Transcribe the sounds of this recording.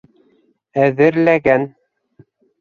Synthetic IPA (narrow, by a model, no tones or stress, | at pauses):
æðɘ̆ɾlæɡæn